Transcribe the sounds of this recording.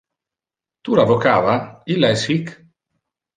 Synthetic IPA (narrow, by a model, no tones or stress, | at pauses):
t̪ulavokaːvailːaɛsik